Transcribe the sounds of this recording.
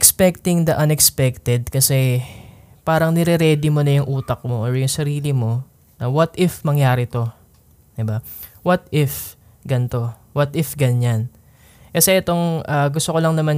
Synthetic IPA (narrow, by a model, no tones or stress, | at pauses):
kspɛk̚t̪ɪŋd̪ɐʔɐnɛkspɛk̚t̪ɛd̪̚kɐsɛ | paːɾɐŋnɛɾɛɾɛːd̪ɪmo̞nɐjʊŋʔuːt̪ɐk̚moʔoɹjʊŋsɐɾiːlɪmo̞ | nɐwɐt̪ʔɪfmɐŋjaːɾɪt̪o̞ | d̪ɪbawɐt̪ɪf | ɡɐnt̪o̞ | wɐt̪ʔɪfɡɐnan | kɐsɛʔɛt̪o̞ŋaːɡʊst̪okolɐŋnɐman